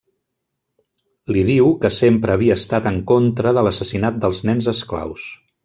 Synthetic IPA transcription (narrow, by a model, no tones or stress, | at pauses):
liðiwkəsempɾəːβiəːst̪at̪əŋkont̪ɾəðələsəsinat̪̚d̪əlˠznɛnzəskla̰ws